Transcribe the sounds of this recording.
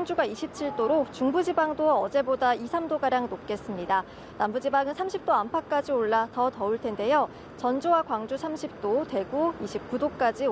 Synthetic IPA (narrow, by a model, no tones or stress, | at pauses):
ŋd͡ʑuɡaiɕʰip̚t͡ɕʰiɭt͈oɾot͡ɕuŋbud͡ʑibaŋdoʌd͡ʑe̞bodaisʰamdoɡaɾjaŋnop̚k͈e̞s͈ɯmɲida | nambud͡ʑibaŋɯnsʰamɕʰip̚t͈oampʰak̚k͈ad͡ʑioɭːatʌtʌuɭtʰe̞nde̞jo | t͡ɕʌnd͡ʑowakwaŋd͡ʑusʰamɕʰip̚t͈ote̞ɡuiɕʰip̚k͈udok͈ad͡ʑi